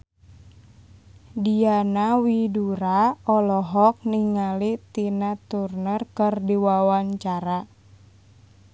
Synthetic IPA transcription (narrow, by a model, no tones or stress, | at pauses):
dianawiduɾaɔlɔɦɔk̚niŋalit̪inat̪urnərkərdiwawaɲt͡ʃaɾa